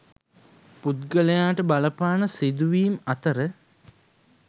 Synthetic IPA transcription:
put̪̚ɡələjaːʈəbaləpaːnəsid̪uʋiːmɐt̪əɾə

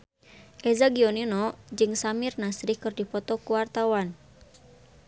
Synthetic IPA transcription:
ʔɛzaɡiɔninɔd͡ʒɨŋsamɪrnasɾihkɨrdipɔt̪ɔkuwart̪awan

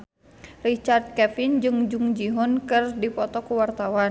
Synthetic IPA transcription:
rit͡ʃard̪̚kɛfind͡ʒɨŋd͡ʒuŋd͡ʒiɦɔnkɨrdipɔt̪ɔkuwart̪awa

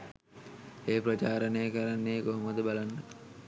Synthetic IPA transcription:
eːpɾot͡ʃaːɾənejəkəɾanːeːɡoɦomod̪əbalanːə

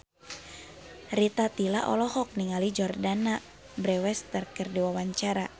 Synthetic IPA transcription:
rit̪at̪ilaʔɔ̰lɔhɔk̚niŋalid͡ʒɔrdana | bɾɛwɛst̪ərkərdiwawaɲt͡ʃaɾa

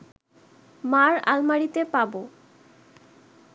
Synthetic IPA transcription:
maɾa̰lmaɽit̪epabo

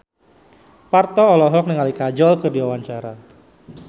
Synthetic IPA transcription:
part̪ɔːlɔɦɔk̚nəŋalikad͡ʒɔlkərdiwawaɲt͡ʃaɾa

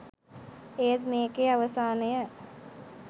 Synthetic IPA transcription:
eːət̪meːkeɐʋəsaːnəjə

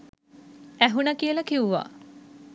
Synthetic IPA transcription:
æɦunəkijəlɐkiuʋa̰

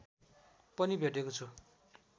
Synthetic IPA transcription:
pʌnibʱeʈekot͡sʰu

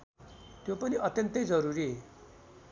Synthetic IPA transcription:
t̪jopʌniʔʌt̪jʌnt̪ʌjd͡zʌɾuɾie

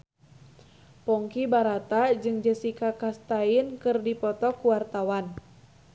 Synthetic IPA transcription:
pɔŋkibaɾat̪ad͡ʒɨŋd͡ʒəsikakast̪ainkɨrdipɔt̪ɔkuwart̪awan

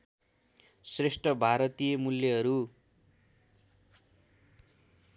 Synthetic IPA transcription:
sresʈʰʌbʱaɾʌt̪ijʌmulːjʌɦʌɾu

